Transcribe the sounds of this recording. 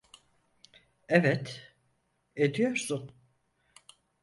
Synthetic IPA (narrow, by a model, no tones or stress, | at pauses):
evɛt̪ | ed̪ijoɾsun